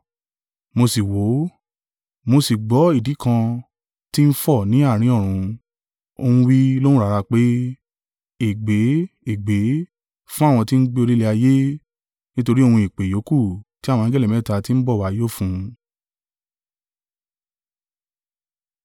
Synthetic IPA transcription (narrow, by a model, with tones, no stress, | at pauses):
mo˧si˨wo˨˦ | mo˧si˨ɡ͡bɔ˨˦i˦˨di˨˦kã˧ | ti˦n̩˦fɔ˦˨nĩ˨˦a˦˨ɾ̃ĩ˧˦ɔ˦˨ɾ̃ũ˧ | o̰˧hũ˧wi˦lõ˦ũ˦ɾa˧ɾa˧k͡pe˦ | e˨ɡ͡be˨˦e˦˨ɡ͡be˨˦ | fũ˦a˦˨w̃ɔ̃˧ti˦n̩˦ɡ͡be˦˧o˧ɾi˦le˧a˧je˦ | nĩ˦to˧ɾi˦o˧hũ˧i˨k͡pe˨jo˨˦ku˦˨ti˦a˦˨w̃ɔ̃˧˨ĩ˦ɡɛ˦li˨mɛ̃˨˦˨ta˧ti˦n̩˦bɔ˦˨wa˨˦jo˦˨fũ˧